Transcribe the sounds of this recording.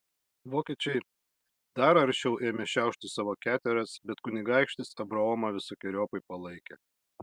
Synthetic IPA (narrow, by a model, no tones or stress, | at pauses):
ʋoːkʲeːt͡ʃʲɛɪ | d̪ɐɾɐɾʲʃʲɛʊʔeːmʲɛʃʲæˑʊʃʲt̪ʲɪsɑːʋoːkʲæːt̪ʲɛɾɐsbʲɛt̪kʊnʲɪɡɑˑɪkʃʲt̪ʲɪsɐbɾɐoːmɐʋʲɪsoːkʲɪɾʲoːpɐɪpɐlˠɐɪkʲɛ̰